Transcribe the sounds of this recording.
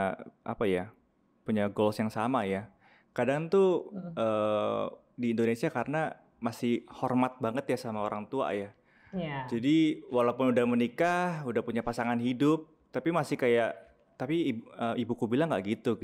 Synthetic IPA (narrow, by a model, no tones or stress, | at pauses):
ʔa̰paja | puɲaɡolsjaŋsamaja | kadaŋŋt̪uʔəː | diːndonesiakaɾəna | masɪhhɔrmat̪̚baŋət̪jasamaoɾaŋt̪ua̰ja | d͡ʒadiwalapʊnudahmənikahudahpuɲapasaŋanɦidʊp̚ | t̪apimasɪhkajaʔ | t̪apiəːmibukubilaŋɡa̰ʔɡit̪u